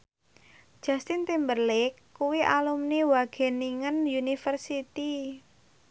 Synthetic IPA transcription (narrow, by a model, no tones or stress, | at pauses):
d̥ʒ̥a̤st̪ɪnt̪imbərlɪkːuwiʔalumniwaɡ̥e̤niŋənjunifərsit̪i